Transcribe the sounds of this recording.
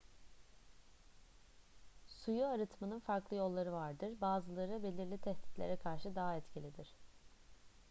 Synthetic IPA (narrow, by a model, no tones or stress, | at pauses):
sujuaɾɯt̪ʰmanɯnfaɾklˠɯjo̞lˠːaɾɯvaɾd̪ɯɾbaːzɯlˠaɾɯbe̞lʲiɾlʲit̪ʰɛsd̪i̥t̪lʲḛɾɛkʰaɾʃɯd̪aɦaɛt̪cilʲid̪iɾ̥